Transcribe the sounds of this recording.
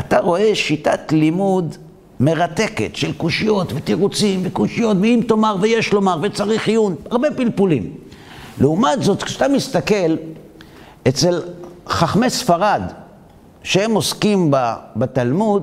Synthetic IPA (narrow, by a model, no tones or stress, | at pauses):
ʔat̪aʁo̞e̞ʃitatlimud̪ | me̞ʁate̞kḛtʃelkuʃijo̞tvet̪iʁut͡simvekuʃijo̞tveimto̞maʁveje̞ʃlo̞maʁvet͡saʁiχijunaʁbe̞pilpulim | leumatzo̞t̪kʃat̪amist̪ake̞l | et͡se̞lχaχmesfaʁad̪ | ʃehemo̞skimbabat̪almud̪